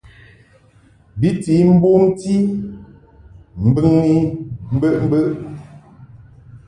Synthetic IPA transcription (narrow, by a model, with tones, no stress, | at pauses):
bi˦ti˨˦m̩˦bo˦mti˦ | m̩˦bɨ˦ŋni˦m̩˦bə˦˨ʔm̩˦bə˦˨ʔ